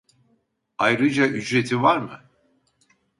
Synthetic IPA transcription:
ajɾɨd͡ʒaʔyd͡ʒɾɛt̪ʰivaɾmɨ̰

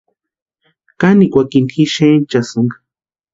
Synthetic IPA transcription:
kanikʷakinxiʃent͡ʃasuŋɡ

